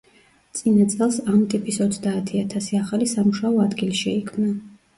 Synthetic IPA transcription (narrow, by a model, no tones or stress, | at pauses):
t̪sʼinat̪sʼɛlˠsamt̪ʼipʼisɔt̪sʰd̪aːt̪ʰiat̪ʰasiaχalisamuʃaɔad̪ɡiliʃɛikʰmna